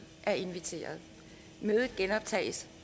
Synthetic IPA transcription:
ʔæɐe̝nʋit͡sʰe̝̰ːɐð̞ˠ | møːð̩ˠɡ̥enɒ̽b̥̚t͡sʰɛ̰ːɪs

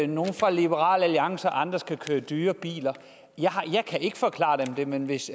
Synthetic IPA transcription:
no̝ːn̩fʁɑ̈lib̥əʁɑ̰̈ːləæliɑ̈ŋsɐʔɑ̈nd̥ʁɐsɡ̥ʰækʰøːɐd̥yːɐb̥ḭːlɐ | jɑhjɑ̈ɪkʰæe̝ɡ̥əfɒ̽kʰlɑ̰̈ːd̥emd̥e̝menʋe̝s

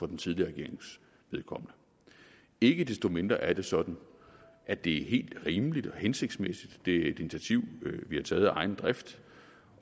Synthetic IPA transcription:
fɒ̽d̥ent͡sʰiðˠliɐʁɛɡe̝̰ɐe̝ŋs | ʋeð̞ˠkʰɒ̽m̰ənə | e̝ɡ̥əd̥esd̥o̝me̝nd̥ʁɐʔæɐd̥e̝sɒ̽d̥n̩ | ʔæd̥e̝æɦe̝̰ːld̥ʁiːmlid̥ɒhense̝ɡ̥d̥smesid̥ːe̝æe̝d̥init͡sʰæt͡sʰiʊ̰ʋihɑ̈t͡sʰɛːð̩ˠɑ̈ɪn̩d̥ʁɛfd̥

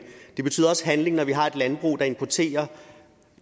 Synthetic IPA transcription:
d̥e̝b̥e̝y̰ð̰ˠɒɒ̽sɦænle̝ŋnɒʋiɦɑ̈e̝d̥lænb̥ʁṵːd̥ɑ̈e̝mpʰɒt͡sʰe̝̰ːɐ

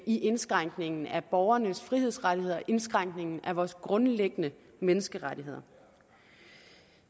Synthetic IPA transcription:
iʔe̝nsɡ̥ʁaŋ̰ɡ̥ne̝ŋn̩æb̥ɒʊɐnəsfʁiheð̰ˠsʁaɾie̝ð̰ˠɐʔe̝nsɡ̥ʁaŋ̰ɡ̥ne̝ŋn̩æʋɒːsɡ̥ʁɔ̽nleɡ̥ənə | menəsɡ̥əʁaɾiɦe̝ð̞̰ˠɐ

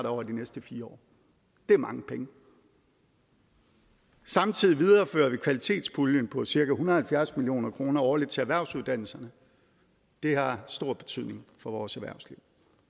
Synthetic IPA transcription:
d̥ɒʊ̰ɐd̥inesd̥əfiːɐɒ̰ː | d̥e̝ɐmɑ̈ŋəpʰeŋə | sɑ̈mt͡sʰið̞̰ˠiʋið̞ˠɐfø̰ːɐʋikʰʋælit͡sʰe̝̰ːd̥spʰuljənpʰɒ̽siɐɡ̥æhunɐð̩ˠhælfjæɐsmilio̝̰ːnɐkʰʁo̝ːnɐɒːɐled̥̚ˠt͡sʰe̝æʋæɐʊsuð̞ˠd̥æn̰l̩sɐnə | d̥e̝hɑ̈sd̥o̝ɐ̰b̥e̝̥t͡sʰyð̰ˠne̝ŋfɒ̽ʋɒːsæʋæɐʊsliʊ̰

